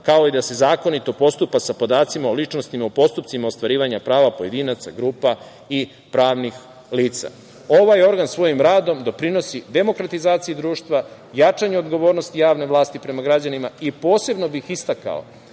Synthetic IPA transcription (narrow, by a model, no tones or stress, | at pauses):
kao̞id̪ase̞zaːko̞nit̪o̞po̞st̪upasapo̞d̪aːt̪simaolit͡ʃno̞st̪imaupo̞st̪up̪̚simaost̪ʋaɾiːʋaɲapɾaːʋapoje̞d̪iːnat̪sa̰ɡɾuːpa | i | pɾaːʋnix | liːt̪sa̰ | oʋajo̞ɾɡansʋo̞jimɾaːd̪o̞md̪o̞pɾino̞sid̪e̞mo̞kɾat̪izaːt̪siid̪ɾuːʃt̪ʋa | jat͡ʃaɲuod̪ɡo̞ʋo̞ːɾno̞st̪ijaːʋne̞ʋlˠaːst̪ipɾe̞maɡɾad͡ʑanimaipo̞ːse̞bno̞bixist̪aka̰o̰